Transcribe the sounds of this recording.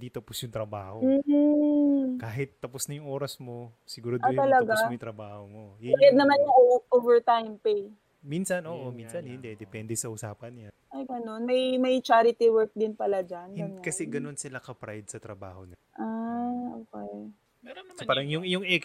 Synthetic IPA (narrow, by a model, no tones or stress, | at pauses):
d̪it̪ɐposjʊŋt̪ɾɐba̰ːhom̩ː | kaːɦɪt̪ːɐposnɐjʊŋʔo̞ːɾɐsmo̞sɪɡuːɾod̪ʔat̪ɐlɐɡajʊŋt̪ɾɐbaːhomojʊɛd̪̚nɐmanjʊŋoʔovɛɹt̪ajmpej | minsɐnʔo̞ːʔominsɐnhɪnd̪ɛd̪ɛpɛnd̪ɛsɐʔʊsaːpɐnɲanʔɐjɡɐno̞nmɐjmɐjt͡ʃaːɾɪt̪ɪwɛɹk̚d̪ɪnpɐlad͡ʒanhɪʊnkɐsɛɡɐno̞nsɪlakɐpɾajd̪̚sɐt̪ɾɐba̰ːhonaʔaʔoːkɛj | saːɾɐŋjʊŋjʊŋɛk